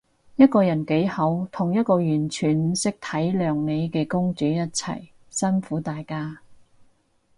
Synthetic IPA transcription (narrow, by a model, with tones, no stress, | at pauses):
jɐ˥t̚kɔː˧jɐ˨˩nke˨˥jhɐ˨˥wt̪ʰʊ˨˩ŋjɐ˥t̚kɔː˧jyː˨˩nt͡ʃʰyː˨˩nsɪ˥k̚t̪ʰɐ˨˥jlœː˨˧ŋne˨˧jkɛː˧kʊ˥ŋt͡syː˨˥jɐ˥t̚t͡sʰɐ̰˨˩j | sɐ˥nfuː˨˥t̪aː˨jkaː˥